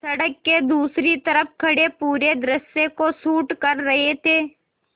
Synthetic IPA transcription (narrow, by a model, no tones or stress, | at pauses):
sɐɽəkːed̪uːsɾit̪ɐɾəf̚kʰɐɽepuːɾed̪ɾəsjekosuːʈkɐɾːɐɦet̪ʰeː